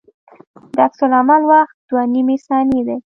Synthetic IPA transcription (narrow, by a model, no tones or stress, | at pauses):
d̪əaksʊlamalwaxt̪̚d̪wanimesɑned̪e